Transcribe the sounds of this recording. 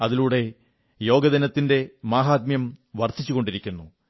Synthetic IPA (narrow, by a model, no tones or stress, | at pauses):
ɐðiluːɽe̞ | jo̞ːɡɐðɐnɐt̪ːinde̞maːɦaːt̪̚mjɐmʋɐrt̪ʰit͡ɕːuɣo̞ɳɖiɾikʲːunːu